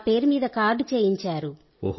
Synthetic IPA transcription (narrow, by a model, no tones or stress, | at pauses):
pe̞ːɾumiːd̪ɐkaːɾɖt͡ʃeːjiɲt͡ʃaːɾu